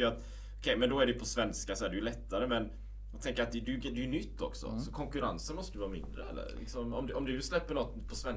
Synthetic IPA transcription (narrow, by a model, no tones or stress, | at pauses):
jɾat̪ | ɔ̥kʰɛjmɛnd̪ɔæɖɛjpʰɔsvɛnskasɔæɖɛjʉlɛt̪ːaɾəmɛn | at̪ʰɛŋkːəɾat̪d̪ɛd̪ɛjʉd̪ɛjʉnʏt̪ʰːɔ̰ksɔ̰sɔkʰɔŋkɵɾa̰nsənmɔst̪əd̪ɵvɑːmɪ̰nd̪ɾə̰ɛ̰lːə̰ɾlɪ̰ksɔmɔmd̪ɔmd̪ɵslɛpːəɳɔt̪ːpʰɔsvɛn